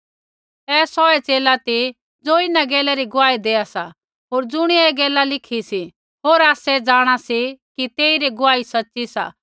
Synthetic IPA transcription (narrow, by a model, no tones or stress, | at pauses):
ɛːsɔːɛt͡seːlat̪i | d͡zoːɪnaɡɛːlɛɾiɡʊʋaːid̪eːasa | ɦoːɾd͡zʊɽ̃iɛɡɛːlalɪkʰisi | ɦoːɾaːsɛd͡zaːɽ̃asikit̪eːiɾiɡʊaːisɐtːsisa̰ː